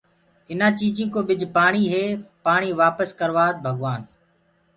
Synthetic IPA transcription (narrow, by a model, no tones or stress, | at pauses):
ɪnãːt͡ʃiːd͡ʒĩːkoːɓɪd͡ʒʱpaːɳiːɦeːpaːɳiːʋaːpəskəɾʋaːd̪̚bʱəɡʋaːn